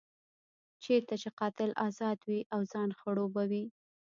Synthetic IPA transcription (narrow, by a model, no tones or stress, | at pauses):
t͡ʃeɾt̪at͡ʃeqɑt̪ɪlʔɑzɑd̪wiʔawzɑnxaɽobawi